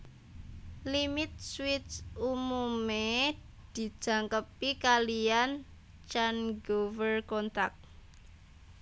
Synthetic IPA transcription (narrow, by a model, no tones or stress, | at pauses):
limɪt̪̚swɪtt͡ʃumume | d̪̥i̤d̥ʒ̥ä̤ŋkəpikalijan | t͡ʃanɡovərkɔnt̪ak̚